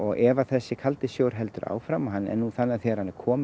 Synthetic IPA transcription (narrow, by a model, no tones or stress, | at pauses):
ɔɣʔɛvaθɛsːɪkʰalt̪ɪsjoːwɾ̥ɦɛlt̪ʏɾa̰ːwfɾamaɦanːɛ̰nːuθanːaθjɛɾ̥hanːɪɾkʰɔːm